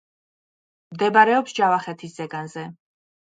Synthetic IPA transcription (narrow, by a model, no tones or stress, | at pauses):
md̪ɛbaɾɛɔpsd͡ʒavaχɛt̪ʰisz̥ɛɡanzɛ